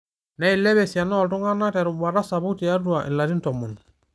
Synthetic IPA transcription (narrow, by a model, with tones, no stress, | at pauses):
na˦i˨lɛ˦βɛ˨si˨a˨nɔ˦˨ltu˦ŋa˦na˦tɛ˨ɾu˨ba˨ɾa˦sa˨bu˦ti˨a˦du˦a˨ʔḭ˨nla˨ti˦ntɔ˨mu˨n